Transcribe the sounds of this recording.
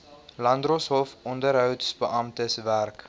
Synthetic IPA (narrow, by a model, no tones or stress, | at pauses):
lɐndrɔsɦɔfɔndəɾɦœwdsbəʔɐmtəsværk